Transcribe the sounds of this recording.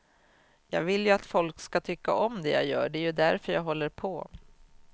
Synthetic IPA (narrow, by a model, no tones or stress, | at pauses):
jɑ̰ːɡvɪljɵat̪fɔlkskat̪ʰʏkːa̰ʔɔmd̪ɛja̰ːjœ̰ːɖɛæɾjɵd̪æɾfœɾjɑːɡɦɔlːəɾpʰɔ